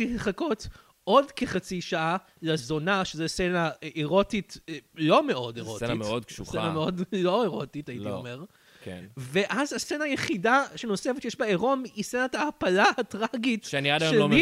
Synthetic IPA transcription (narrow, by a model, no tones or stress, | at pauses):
ileχako̞t | ʔo̞dkeχat͡siʃaʔa | lazo̞naʃezesenaʔeʁo̞titlo̞meo̞deʁoeaimeod̪̚kʃuseameodlo̞eʁo̞titaitiomeʁ | kḛveʔazasenaːjeχidaʃenosefetjeʃbaeʁo̞misenataːpalaatʁaɡitʃeaniadajolom